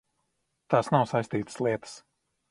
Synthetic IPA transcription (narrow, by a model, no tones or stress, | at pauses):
t̪aːsnawsajst̪iːt̪ə̥slˠiɛt̪ə̥s